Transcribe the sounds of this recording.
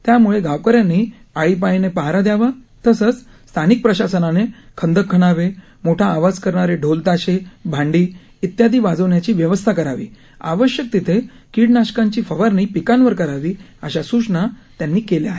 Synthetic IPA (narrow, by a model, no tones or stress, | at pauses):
t̪jamuɭeɡʱaʋkəɾjanːiː | aɭiːp̬ainepəɦaɾad̪jaʋa | t̪əsət͡s | st̪ʰanik̚pɾəɕasənanekʰənd̪ʱəkʰːəɽ̃aʋe | moʈʰaːʋad͡zkəɾɳaɾeɖʱolt̪aɕebʱãɳɖiː | it̪jad̪ʱiːbad͡zəʋɳjat͡ɕiːʋjəʋəst̪ʰakəɾaʋḭː | a̰ʋəɕjək̚t̪it̪ʰe | kiɽnaɕkãɲt͡ɕiːfəʋəɾniːpikanʋəɾkəɾaʋiːəɕasut͡ɕɳat̪janːiːkeleaɦe